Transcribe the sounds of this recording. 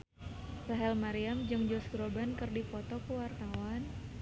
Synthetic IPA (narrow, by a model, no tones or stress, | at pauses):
saɦɛlmaɾiamd͡ʒɨŋd͡ʒɔst̪ɾobankɨrdifɔt̪ɔkəwart̪awan